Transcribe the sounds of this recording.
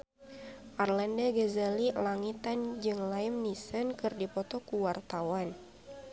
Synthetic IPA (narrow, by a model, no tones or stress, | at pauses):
ʔarlandaɡazalilaŋit̪and͡ʒɨŋlaimnisənkɨrdipɔt̪ɔkuwart̪awan